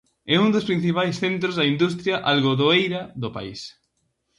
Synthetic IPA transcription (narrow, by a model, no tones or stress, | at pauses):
ɛund̪ospɾin̟θipajsθent̪ɾozðɐind̪ust̪ɾjaʔalɣoðoejɾɐðʊpa̰is